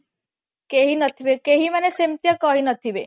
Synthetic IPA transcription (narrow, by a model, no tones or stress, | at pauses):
keɦinət̪ʰiʋekeɦimanesemt̪jəkɔɦinət̪ʰiʋe